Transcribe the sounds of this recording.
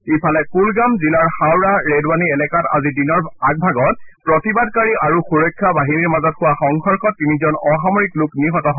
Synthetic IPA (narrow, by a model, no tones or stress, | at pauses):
ipʰalɛkulɡamzilaɹxawɹaɹedwaniɛlɛkata̰zidinɔɹak̚bʱaɡɔt̚pɹɔtibadkaɹiʔaɹuxuɹɔjkʰːabaɦiniɹmazɔtxʊwaxɔŋxɔɹkʰɔtːinizɔnɔxamɔɹiklʊkniɦɔtɔɦɔ